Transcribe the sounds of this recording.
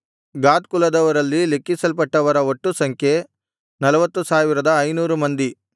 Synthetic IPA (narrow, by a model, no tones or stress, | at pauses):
ɡaːt̪kulɐd̪ɐʋɐɾɐlːilekːisɐlpɐʈːɐʋɐɾɐoʈːusɐŋkʰje̞ | nɐlɐʋɐt̪ːusaːʋiɾɐd̪ɐːjnuːɾumɐnd̪i